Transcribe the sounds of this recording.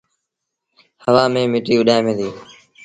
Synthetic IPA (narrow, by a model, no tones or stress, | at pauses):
həʋaːmẽːmɪʈiːʋʊɗaːemẽːd̪iː